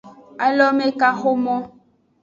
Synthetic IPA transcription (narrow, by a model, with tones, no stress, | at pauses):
a˨lɔ˦me˦ka˦xo˦mɔ˦